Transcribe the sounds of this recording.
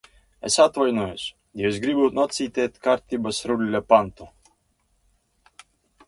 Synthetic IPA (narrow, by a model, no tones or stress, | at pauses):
ɛ̰sat̪vajnɔjosʲ | d̪ʲiws̬ɡɾibut̪nɔt̪siːt̪et̪kaɾt̪ːibasɾulʲilʲepant̪ɔ